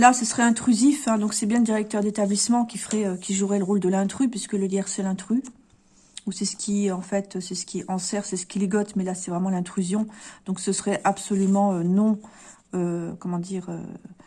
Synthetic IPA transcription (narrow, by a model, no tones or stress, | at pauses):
lasəsəʁɛɛ̃t̪χyzifɛ̃d̪ɔ̃ksɛbjɛ̃ləd̪iʁɛk̚t̪œʁd̪et̪ablismɑ̃kʲifʁɛøkʲiʒuʁɛləʁold̪əlɛ̃t̪χypɥiskələɡjɛʁsɛlɛ̃t̪χy | usɛsə̥kʲʰiɑ̃fɛt̪øsɛsə̥kʲiɛɑ̃sɛʁsɛsə̥kʲileɡɔt̪mɛlasɛvʁɛmɑ̃lɛ̃t̪χyzjɔ̃d̪̥ɔ̃ksəsəʁɛʔabsɔlymɑ̃ønɔ̃ | økɔmɑ̃d̪iːʁø̰